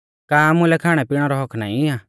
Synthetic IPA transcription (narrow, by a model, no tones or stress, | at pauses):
kaːmʊ̃lɛkʰaːɽ̃ɛpɪɽ̃ɔɾɔɦɔkʰna̰ːĩaː